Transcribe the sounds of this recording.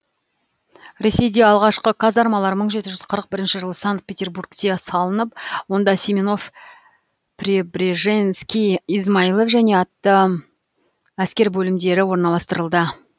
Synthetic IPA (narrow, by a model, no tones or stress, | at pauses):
ɾe̞se̞jd̪e̞ɑlˠʁɑʃqəkʰazɑɾmɑlˠɑɾməɴʒe̞t̪ɪʒʏzqʰəɾəq̚bɪɾɪnʃɪʒəlˠəsaŋk̚t̪̚pʰʲe̞t̪ʲe̞rburkt̪e̞sɑlˠənəp̚wo̞nd̪ɑsʲimono̞f | pʰɾʲebɾʲeʒenskʲiizmɑilˠofʒæne̞ɑt̪ːə | æskʲe̞ɾbɵlɪmd̪e̞ɾɪwo̞ɾnɑlˠɑst̪əɾəlˠd̪ə